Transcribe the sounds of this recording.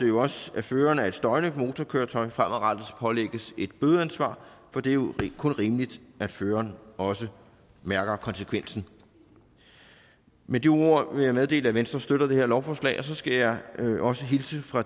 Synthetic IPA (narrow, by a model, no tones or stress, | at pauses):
d̥ejoɒ̽sæføːɐnæe̝d̥sd̥ɒ̽ɪnəmo̝ːt͡sʰɒkʰøːɐt͡sʰɒ̽ɪfʁam̰ʔæʁɑd̥ð̩ˠspʰɒ̽leɡ̥əse̝d̥̚b̥øːð̩ˠænsʋɑ̰̈ːfɒ̽d̥e̝jokʰɔ̽nʁiːməlid̥ʔæ̥føːɐnɒ̽sə | mæɐɡ̥ɐkʰɒ̽nsəkʰʋen̰sn̩ | med̥ioo̝ɐ̰ʋe̝jɑ̈ɪmeð̞ˠd̥e̝̰ːləæʋensd̥ʁɐsd̥øɾ̥ɐd̥e̝heɐlɒʊfɒslɛ̰ɪɒ̽sɒ̽sɡ̥æjɑ̈ɪʔɒ̽səɦilsəfʁɑ̈